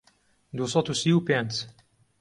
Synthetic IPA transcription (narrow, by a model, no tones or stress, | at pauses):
d̪usɔt̪usiupɛ̃nt̪